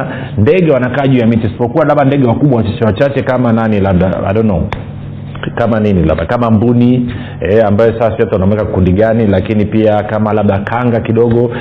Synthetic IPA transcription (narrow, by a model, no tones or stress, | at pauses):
ndɛɠɛwanakaːʄujamitisi̥pɔkuwalaɓandɛɡɛwakuɓwawat͡ʃat͡ʃɛwat͡ʃat͡ʃɛkamananilaɓɗa̰a̰ɗɔnɔ | kamaninila̰ɓakamambuni | ɛambajɔsasijɔtaanaɔmwɛkakundiɡanilakinipiakamalaɓɗakʰaŋɡakiɗɔɠɔ